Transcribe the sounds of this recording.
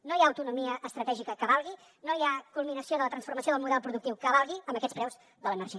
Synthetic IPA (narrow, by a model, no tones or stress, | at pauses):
nojaəwt̪unumiəʔːst̪ɾət̪ɛʒikəkəβalˠɣi | nojakulˠminəsioðələt̪ɾənsfurməsioðəlˠmuðɛlˠpɾuðuk̚t̪iwkəβalˠɣiəmbəkɛspɾɛwz | ðələnərʃi